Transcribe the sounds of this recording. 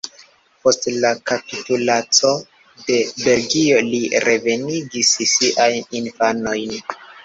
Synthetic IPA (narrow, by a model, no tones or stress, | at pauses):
po̞stlakapitulat͡so̞ | de̞be̞lɡio̞liɾe̞ve̞niɡissiʔajninfano̞jn